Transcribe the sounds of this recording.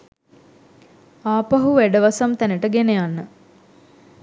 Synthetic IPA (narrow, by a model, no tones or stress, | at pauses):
aːpaɦuʋæɖəʋasamt̪ænəʈəɡenejanːə